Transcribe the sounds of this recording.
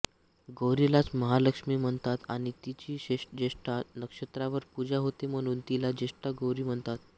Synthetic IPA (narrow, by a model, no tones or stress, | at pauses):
ɡowɾilat͡sməɦaləkʂmiːm̤əɳt̪at̪aɽ̃it̪it͡ɕiːɕeʂd͡ʑeʂʈanəkʂət̪ɾaʋəɾpud͡ʑaɦot̪em̤əɽ̃uːnt̪ilad͡ʑeʂʈaɡowɾiːm̤əɳt̪at̪